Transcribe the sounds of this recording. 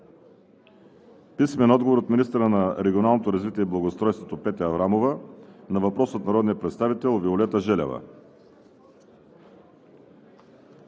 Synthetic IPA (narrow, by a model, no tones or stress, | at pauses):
pismɛnɔd̪ɡovoɾot̪minist̪əɾənɐɾɛɡʲionalˠnot̪oɾɐzvit̪iɛiblˠɐɡost̪ɾɔjst̪vot̪opɛt̪ɛɐvɾamovɐnɐvɐpɾɔsot̪nɐɾɔd̪nijəpɾɛt̪st̪avit̪ɛlˠviolɛt̪əʒɛlʲɛ̰vɐ̰